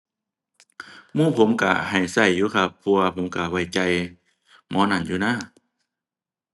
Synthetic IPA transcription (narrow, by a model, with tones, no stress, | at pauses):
muː˧˨pʰo˨˦mka˧˩ha˨˩jsa˧˩jːuː˧˦kʰa˧pʰːu˧a˧pʰo˨˦mka˧˩wa˧˩jt͡ɕa˧˩j | mɔː˧˥na˧˩˨njuː˧naː˧˥˨